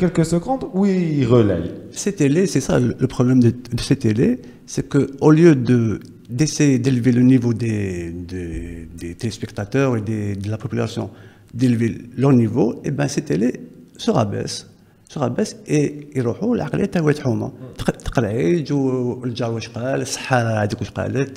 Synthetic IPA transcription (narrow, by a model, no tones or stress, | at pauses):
kɛlkəsəɡɔ̃t̪uiiʁəlɛ̰jsɛt̪elesɛsalələpχɔblɛmd̪əd̪əsɛt̪ele | sɛkəoljød̪ə | d̪esejed̪elvelənivod̪ed̪ed̪et̪elespɛkt̪at̪œʁed̪ed̪əlapɔpyla̰sjɔ̰̃ | d̪elveləʁnivoebæ̃sɛt̪elesəʁabɛ̰s | səʁabæseiɾuħulʕaqlə̰jæt̪ːæwjt̪ħuma̰t̪ə̥qɾʕid͡ʒuld͡ʒawəʃqɑləsˤːə̥ħːad̪ikuʃqɑ̰lət̪